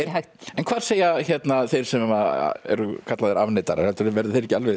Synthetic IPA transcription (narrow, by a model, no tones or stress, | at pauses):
ɾhajxt̪ɛnkʰv̥aːð̥seːjaçɛt̪naθejɾ̥sɛmɛma̰ɛ̰ɾʏkʰat̪laðʏɾavnejt̪aɾa̰̥hɛlt̪ʏɾvɛɾðɪθejɾɛhcːɪalvɛ